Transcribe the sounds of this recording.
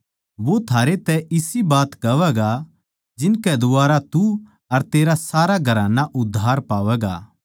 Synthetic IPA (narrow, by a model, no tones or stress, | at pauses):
ʋot̪ʰaːɾet̪ɛʔɪsibaːt̪kɐʋɛɡa | d͡ʒɪnkɛd̪ʊaːɾat̪u | ɐɾt̪eːɾasaːɾaɡʱɐɾanaʔʊd̪ʱaːɾpaːʋɛɡa̰ː